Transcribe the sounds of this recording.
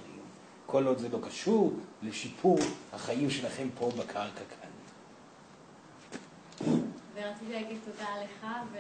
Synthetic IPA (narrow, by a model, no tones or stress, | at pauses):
kʰo̞lo̞d̪zelo̞kaʃuʁleʃipʰuʁha̰χaimʃe̞laχe̞mpʰo̞bakʰaʁkakʰa̰ni | veʁat͡sit̪iaɡisodaːleχav